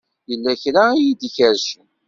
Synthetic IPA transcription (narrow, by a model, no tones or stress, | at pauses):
jəlːæçɾajid̪içəɾʃən